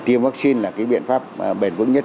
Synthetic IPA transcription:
t̪i˧əmvaː˦˥k̚si˧nlaː˨˩kaː˨˦jɓḭ˧˨ənfaː˦˥p̚ɓe˨˩nvɨ̰˧˥ŋɲə˦˥t̚

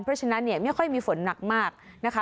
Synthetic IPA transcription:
npʰɾɔ˦˥˩t͡ɕʰa˧na˦˥nːi˥˩ɐma˥˩jkʰɔ˥˩jmiː˧fo˨˩˦nna˨˩k̚maː˥˩k̚na˦˥kʰa˦˥

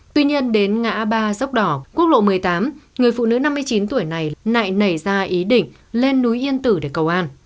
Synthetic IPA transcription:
t̪wi˧ɲi˧ənɗe˨˦nŋa̰ː˧˥ɓaː˧zə˦˥wk͡p̚ɗɔ˧˩ku˦˥ək̚lo̰˧˨mɨ˨˩əjt̪aː˨˦mŋɨ˨˩əjfṵ˧˨nɨ̰˧˥na˧mːɨ˧əjt͡ɕi˨˦nt̪u˧˩əjna˨˩jna̰ː˧˨jnə˧˩jzaː˧ʔi˨˦ɗḭ̈˧˨ŋ̟ | le˧nːu˨˦jʔi˧ənt̪ɨ˧˩ɗe˧˩kə˨˩wʔaː˧n

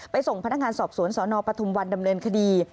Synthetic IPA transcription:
pa˧jso˨˩ŋpa˧na˥k̚ŋaː˧nsɔː˨˩p̚su˩˦ənsɔː˩˦nɔː˧pɾa˧t̪ʰu˧mwa˧nda˧mnɤː˧nkʰa˧diː˧

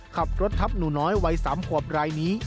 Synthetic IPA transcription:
kʰa˨˩p̚ɾo˦˥t̪ʰːa˦˥p̚nuː˨˩nɔː˦˥jwa˧jsaː˩˦mkʰu˨˩əp̚ɾaː˧jniː˦˥

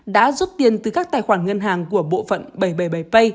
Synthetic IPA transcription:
ɗa̰ː˧˥zu˦˥p̚t̪i˨˩ənt̪ɨ˨˩kaː˦˥k̚t̪aː˧˩jxwaː˧˩nŋə˧nɦaː˨˩ŋku˧˩əɓo̰˧˨fə̰˧˨nɓə˧˩jɓə˧˩jɓə˧˩jpə˧j

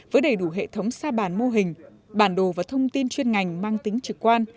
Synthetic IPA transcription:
vəː˨˦jɗə˨˩jɗu˧˩ɦḛ˧˨t̪ʰə˨˦wŋ͡msaː˧ɓaː˧˩nmo˧ɦï˨˩ŋ̟ | ɓaː˧˩nɗo˨˩vaː˨˩t̪ʰə˧wŋ͡mt̪i˧nt͡ɕwi˧ənŋa˨˩jŋ̟maː˧ŋt̪ï˨˦ŋ̟t͡ɕɨ˨˩k̚kːwaː˧n

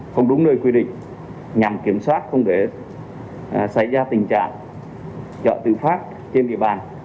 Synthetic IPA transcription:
xə˧wŋ͡mɗʊ˨˦ŋ͡mnəː˧jkwi˧ɗḭ̈˧˨ŋ̟ | ɲa˨˩mki˧˩əmswaː˦˥t̚xə˧wŋ͡mke˧˩ | sa˧˩jzaː˧t̪ï˨˩ŋ̟t͡ɕa̰ː˧˨ŋ | zɔ̰˧˨t̪ɨ̰˧˨faː˦˥p̚ | t͡ɕe˧nɗḭ˧˨əɓaː˨˩n

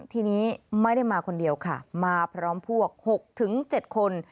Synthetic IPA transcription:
t̪ʰiː˧niː˦˥ma˥˩jda˥˩jmaː˧kʰo˧ndi˧əwkʰa˥˩maː˧pʰɾɔː˦˥mpʰu˥˩ɐək̚ho˨˩k̚t̪ʰɯ˩˦ŋt͡ɕe˨˩t̪̚kʰo˧n

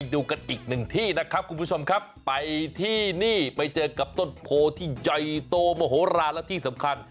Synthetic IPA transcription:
jduː˧ka˧nʔiː˨˩k̚nɯ˨˩ŋt̪ʰiː˥˩na˦˥kʰɾa˦˥p̚kʰu˧nmpʰu˥˩t͡ɕʰo˧mkʰa˦˥pːa˧jt̪ʰiː˥˩niː˥˩pa˧jt͡ɕɤː˧ka˨˩p̚t̪o˥˩tpʰoː˧t̪ʰiː˥˩jɔ˧˩jt̪oː˧mɔː˧˩ɦoː˩˦ɾaː˧nlɛ˦˥t̪ʰiː˥˩sa˩˦mkʰa˧n

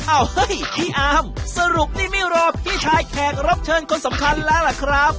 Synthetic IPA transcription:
ʔaː˧˩whɤ˦˥˨jt̪ʰiː˥˩ʔaː˧˥msa˧ɾu˨˩k̚t̪ʰiː˥˩miː˥˩ɾɔː˧˥˩p̚pʰiː˥˩t͡ɕʰaː˧jkʰɛː˨˩k̚ɾa˦˥p̚t͡ɕʰɤː˧nkʰo˧nsa˩˦mkʰa˧nlɛː˦˥lɛ˨˩kʰɾa˦˥p̚

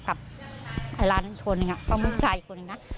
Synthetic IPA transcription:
ka˨˩p̚ʔa˧˩laː˧˩n˧i˨˩kʰo˧nːɯ˧ŋa˨kʰa˥˩mu˧˥˩t͡ɕaː˧ji˨˩kʰo˧nːɯ˧ŋna˦˥

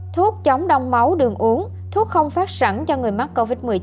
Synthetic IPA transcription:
t̪ʰu˦˥ət̚t͡ɕa˨˦wŋ͡mɗa˧wŋ͡mma˨˦wɗɨ˨˩əŋʔu˨˦əŋ | t̪ʰu˦˥ət̚xə˧wŋ͡mfaː˦˥t̚sa˧˩nt͡ɕɔ˧ŋɨ˨˩əjma˦˥t̚ko˧vi˦˥t̚mɨ˨˩əjt͡ɕ

